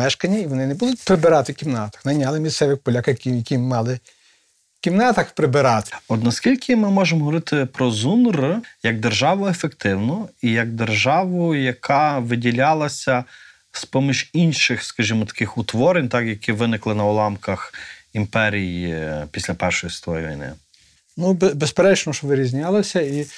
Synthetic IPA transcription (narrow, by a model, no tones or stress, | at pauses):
mɛʃkɐnʲːɐiʋɔnɪnɛbud̪ʊt̚ʲpɾɪbɪɾɑt̪ɪkʲimnɑt̪ɐ̥xnɐjnʲɑlˠɪmʲist̪sɛʋɪxpɔlʲakɐkijɐkʲimmɑlˠɪ | kʲimnɑt̪ɐxpɾɪbɪɾɑt̪ɪ̥ɔt̪nɐskʲilʲkʰɪmɪmɔʒemɔɦɔʋɔɾɪt̪ɪpɾɔzunrjɐɡ̚d̪erʒɑʋʊefekt̪ɪwnʊijɐɡ̚d̪erʒɑʋʊjɐkʰɑʋɪdʲilʲɑlˠɐsʲɐ | spɔmʲiʒinʲʃɪxskɐʒimɔt̪ɐ̥kɪxʊt̪ʋɔɾɪnʲt̪ɑkjɐkiʋɪnɪklˠɪnɐɔlˠɑmkɐximpɛɾʲijpʲisʲlʲɐpɛrʃɔjist̪ɔjʋʲḭjnɪ̰ | nubbespeɾɛt͡ʃnɔʃɔʋɪɾʲizʲnʲɑlˠɐsʲɐi